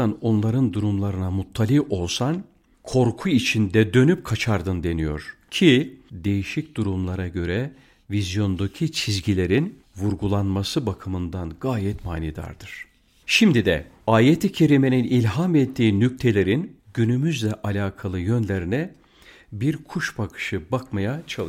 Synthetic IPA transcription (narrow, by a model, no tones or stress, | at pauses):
ano̞nlˠaɾɯnd̪uɾumlˠaɾɯnamut̪ʰːalʲiʔo̞lˠsan | kʰo̞ɾkʰuit͡ʃʰind̪ɛd̪ø̞nyp̚kʰat͡ʃʰaɾd̪ɯnd̪e̞nijo̞̰ɾ̥cʰid̪e̞jiʃic̚d̪̥uɾumlˠaɾaɟø̞ɾɛ | vizjo̞nd̪ocʰit͡ʃʰizɟilʲe̞ɾin | vuɾɡulˠanmasɯbakʰɯmɯnd̪anɡaːjɛt̪maːnid̪a̰ɾd̪ɯɾ̥ | ʃimd̪id̪ɛ̰aːjet̪ʰicʰe̞ɾime̞ninilʲɦamɛt̪ʰːiːnyc̚t̪ʰe̞lʲe̞ɾinɟynymyzlʲɛʔalʲaːkʰalˠɯjø̞nlʲeɾinɛ | biɾkʰuʃbakʰɯ̥ʃɯbakmajat͡ʃʰalˠ